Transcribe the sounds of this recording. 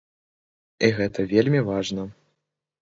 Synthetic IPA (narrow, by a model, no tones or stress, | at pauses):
iɣɛt̪ɐvʲelʲmʲivaʐnɐ